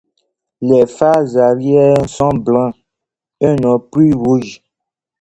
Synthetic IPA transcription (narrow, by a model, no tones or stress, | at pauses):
lɛfazaɾjɛsɔ̃blã | ɛnɔ̃pɾiɣuʒ